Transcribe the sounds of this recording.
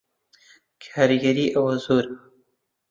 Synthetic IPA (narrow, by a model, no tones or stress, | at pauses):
kʰɑɾɡaɾiʔawnzuɾ